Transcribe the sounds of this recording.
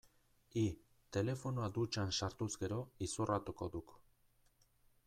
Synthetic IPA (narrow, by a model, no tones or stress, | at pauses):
i | t̪e̞le̞fo̞noad̪ut͡ʃansaɾt̪uzɡe̞ɾo̞isurat̪uko̞ðuk